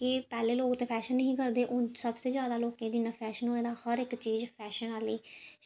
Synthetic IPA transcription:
kɪpɛːleːloːkt̪eːpʰɛːʃənːəɦĩːkəɾd̪eːʔʊːsəbseːzjaːd̪aːloːkẽːd͡ʒɪnãːpʰɛːʃənɦoːẽːd̪aːhəɾɪkt͡ʃiːzpʰɛːʃənaːliː

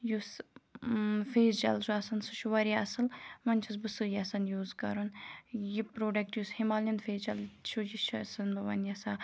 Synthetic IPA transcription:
jus | feːzd͡ʒɐ̰lzuɐsɐnsɨʃuʋɐɾʲjaɐsɨlmɐnʲt͡ʃʰusbɨsɨjasɐnjuːzkɐ̰ɾunjipɾoːɖɐk̚ʈjushimaːlʲinfeːzd͡ʒɐlt͡ʃʰud͡ʒiʃsɨnbɐʋɐ̰njɐsaː

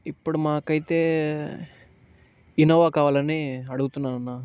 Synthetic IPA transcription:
ipːuɽumaːkɐjit̪eː | inoːʋaːkaːʋaːlɐniɐɽuɡut̪unːaːɾɐnːaː

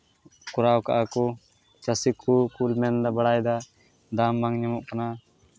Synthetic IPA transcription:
kʊɾaːwkaʔako | t͡ʃəsikʰukulmɛnd̪abɐɽaːjd̪a | d̪ambaŋɲəmɔʔkɐna

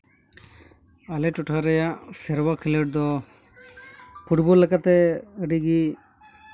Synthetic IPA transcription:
alɛʈɔʈʰaɾɛjaʔsɛɾbakʰiləʈ̚d̪ɔ | pʰuʈbɔlːɛkat̪ɛɖiɡi

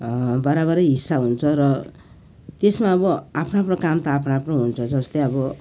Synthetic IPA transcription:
bʌɾaβʌɾʌjɦisːaɦunt͡sʰʌɾʌ | t̪esmaʌbʌapʰnapnʌkamt̪aːpʰnapnõɦunt͡sʰʌd͡zʌst̪ʌjʌbʌ

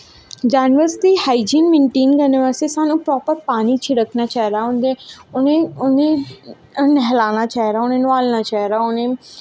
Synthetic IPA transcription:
d͡ʒaːnʋəɾsd̪iːhaːid͡ʒinmɪɳʈiːŋɡənɪʋəɾsisaːnũːpɾɔːpəɾpaːniːt͡ʃʰiɾəkʰnaːt͡ʃaːɾaːʊnd̪eʊnẽːʊnẽ | nɛɦlaːnaːt͡ʃaːɦɾaːʊnẽːnʋaːlnaːt͡ʃaːɦɾaːʊnẽː

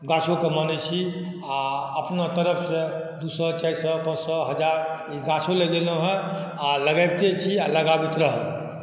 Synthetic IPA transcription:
ɡasõkemənɛt͡ʃʰi | aəpnat̪əɾəpʰse | d̪usɔt͡ʃɛsɔpə̃d͡ʒsɔɦəd͡ʒaɾiɡasoleɡeləɦɛ̃ | aləɡabt̪et͡ʃʰialəɡabit̪ɾəɦəl

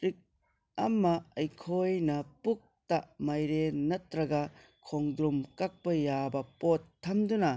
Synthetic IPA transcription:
ɾik̚ | ɐmːɐɐjkʰojnɐpuk̚taʔmajɾenɐtɾɐɡɐ | kʰoŋd̪ɾumkak̚pɐjabɐpotʰːɐmdunɐ

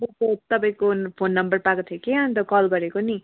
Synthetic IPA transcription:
bobop̚t̪ʌpaĩkopʰonːʌmbʌrpakot̪ʰekeʌnt̪̬ʌkʌlɡʌɾekoni

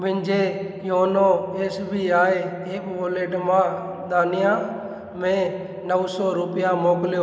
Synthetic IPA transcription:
mɪ̃nd͡ʒe | joːnoeːsbʱiaːe | eːkʋoːleːʈmãː | d̪aːnɪjã | mẽ | nəʋsɔɾʊpɪjamoːklɪjoː

